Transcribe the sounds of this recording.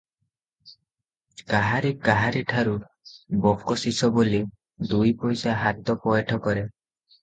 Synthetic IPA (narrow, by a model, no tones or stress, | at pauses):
kaɦaɾikaɦaɾiʈʰaɾu | bɔpkɔsisɔboli | d̪ujpɔjsaɦat̪ɔpɔjeʈʰɔkɔɾe